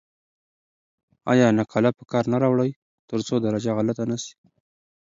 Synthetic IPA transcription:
ɑ̰jɑnakʰɑlapəkɑɾnaɾɑwɽaj | t̪əɾt͡sod̪aɾad͡ʒaɣalat̪anasi̥

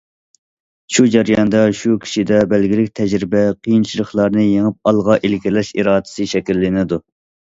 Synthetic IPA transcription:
ʃud͡ʒɛɾjɑnd̪ɑʃukʲʰi̥ʃid̪ɛbɛlɡʲilɪkʲt̪ʰɛd͡ʒɾɪbɛqʰijint͡ʃʰilˠəχlˠɑɾnɨjeŋɨp̚ɑlˠʁɑʔelkʲilɛʃḭɾɑːd̪ɨ̥sɨʃɛkʲilːɪnɪd̪u

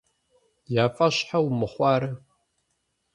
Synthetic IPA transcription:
jaːfʼɐɕħawmɨχʷɑːɾɐ

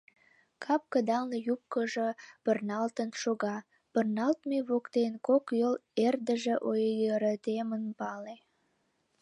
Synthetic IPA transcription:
kʰɑp̚kəd̪ɑlnəjup̚kəʒopərnɑlt̪ənʃoɣɑ | pərnɑlt̪meβokt̪enkokjolerd̪əʒeʔojəɾət̪emənpɑle

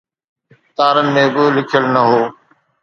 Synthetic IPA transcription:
ɪxt̪aːɾənɪ̆mẽːbɪlɪkʰjəlnɐɦoː

